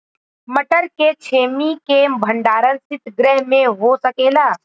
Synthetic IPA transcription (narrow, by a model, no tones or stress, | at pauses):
məʈəɾket͡ʃʰeːmikembʱəɳɖaːɾənsɪt̪ɡɾɛɦmẽɦoːsəkeːlaː